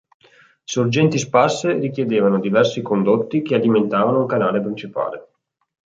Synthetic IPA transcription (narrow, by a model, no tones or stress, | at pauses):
sord͡ʒɛnt̪isparserikjed̪eːvanod̪ivɛrsikond̪ot̪ːikealiment̪aːvanouŋkanaːlepɾint͡ʃipa̰ːle